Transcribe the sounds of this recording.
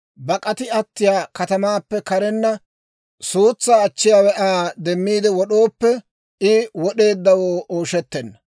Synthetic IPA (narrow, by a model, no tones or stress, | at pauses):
bɐkʼɐt̪ɪɐt̪ːɪjaːkɐt̪ɐmaːpːɛkɐɾɛnːɐ | suːt͡sːaːt͡ʃːɪjaːwɛʔaːd̪ɛmːiːd̪ɛwɔɗo̞ːpːɛ | ɪwɔɗe̞ːd̪ːɐwoːʔoːʃɛt̪ːɛnːɐ